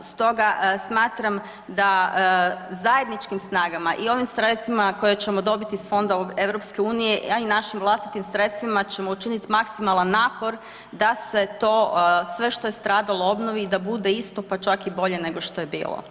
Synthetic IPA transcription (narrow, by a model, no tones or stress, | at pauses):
st̪o̞ɡasmaːt̪ɾam | d̪a | zaje̞d̪nit͡ʃkimsnaːɡamaʔio̞ʋimsɾe̞t̪st̪ʋimako̞jet͡ɕe̞mo̞d̪o̞bit̪isfo̞nd̪aoeʋɾo̞pske̞uːnije̞ʔainaʃimʋlˠast̪it̪imsɾe̞t̪st̪ʋimat͡ɕe̞mout͡ʃinit̪imaksimalˠanːaːpo̞ɾ | d̪ase̞t̪oːsʋe̞ʃt̪o̞je̞st̪ɾaːd̪alˠoo̞bnoʋiːd̪abud̪e̞ist̪o̞pat͡ʃakibo̞ʎe̞ne̞ɡo̞ʃt̪o̞je̞bḭːlˠo̰